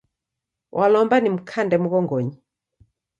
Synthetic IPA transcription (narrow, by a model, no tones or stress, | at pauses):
wʔalɔmbanim̩kʰandɛmuɣɔŋɡɔɲi